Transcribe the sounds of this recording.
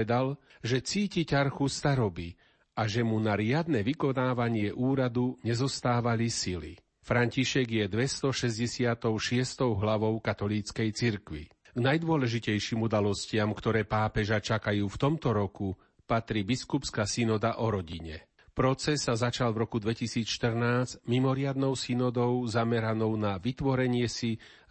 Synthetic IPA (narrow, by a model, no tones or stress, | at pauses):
ɛd̪al | ʒɛt͡siːcicaɾxust̪aɾɔbi | aʒɛmunaɾɪad̪nɛʋikɔnaːʋaɲɪɛʔuːɾad̪uɲɛzɔst̪aːʋalisilḭ | fɾaɲciʃɛɡjɛd̪ʋɛst̪ɔʃɛzɟɛsɪat̪ɔʊʃɪɛst̪ɔʊɦlaʋɔʊkat̪ɔliːt͡skɛjt͡siɾkʋḭ | ɡnajd̪ʊɔlɛʒicɛjʃiːmud̪alɔscɪamkt̪ɔɾɛːpaːpɛʒat͡ʃakajuːft̪ɔmt̪ɔɾɔku | pat̪ɾiːbiskupskasinɔd̪aʔɔɾɔɟiɲɛ | pɾɔt͡sɛsːazat͡ʃalvɾɔkud̪ʋɛcisiːt͡sʃt̪ər̩naːzmimɔɾɪad̪nɔʊsinɔd̪ɔʊzamɛɾanɔʊnaʋit̪ʋɔɾɛɲɪɛsi